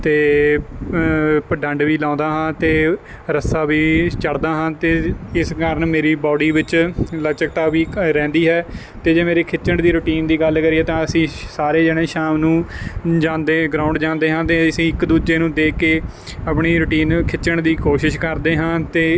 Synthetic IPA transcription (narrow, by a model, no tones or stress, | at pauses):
t̪eː | pəɖə̃ɳɖʋiːlãːnd̪aːɦãːt̪eː | ɾəsaːʋiːt͡ʃəɽd̪aːɦãːt̪eːɪskaːɾəɳmeːɾiːbɔːɖiːʋɪt͡ʃlət͡ʃəkt̪aːʋiːɾɛ̃ːnd̪iːɦɛː | t̪eːd͡ʒeːmeːɾeːkʰɪt͡ʃəɳd̪iːɾʊʈiːnd̪iːɡəlkəɾiːɛːt̪ãːəsĩːsaːɾeːd͡ʒɛːɽ̃eːʃaːmnũːd͡ʒãːnd̪eːɡɾãːʊ̃ɳɖd͡ʒãːnd̪eːɦãːt̪eːəsĩːɪkd̪uːd͡ʒeːnũːd̪eːkeː | apɳiːɾʊʈiːnkʰɪt͡ʃəɳd̪iːkoːʃɪʃkəɾd̪eːɦãːt̪eː